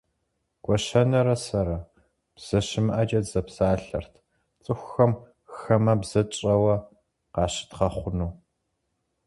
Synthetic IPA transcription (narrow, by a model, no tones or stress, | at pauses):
ɡ̥ʷɔɕɐnɐɾɐsɐɾɐ | b̥z̥ɐɕɪmɨʔɐd͡ʒɐdz̥ɐpsaːɬɐ̰rtʰ | t͡sʼɨxʷxɐm | xɐmɐbz̥ɐt͡ʃʼɐwɐ | qɑːɕɪ̥tχɐχʷʊnuː